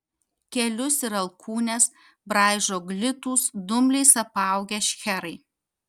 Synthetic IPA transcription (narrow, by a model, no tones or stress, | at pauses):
kʲɛlʲʊsɪɾɐlˠkʰuːnʲɛs | bɾɑˑɪʒoːɡlʲɪt̪uːsd̪ʊmʲlʲɛɪsɐpɑˑʊɡʲɛʃʲxʲɛɾɐɪ